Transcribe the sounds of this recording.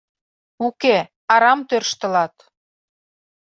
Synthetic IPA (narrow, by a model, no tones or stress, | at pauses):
uke | ɑɾɑmt̪ørʃt̪ə̆lɑt̪